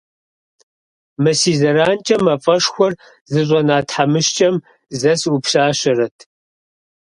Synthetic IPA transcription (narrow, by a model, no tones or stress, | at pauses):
mɐsiːzɐɾaːnt͡ʃʼɐmɐfʼɐʂxʷɔr | zɨɕ̬ʷʼɔnaːtħamɨʃt͡ʃʼɐm | zɐsupɕaːɕɐrɐtʰ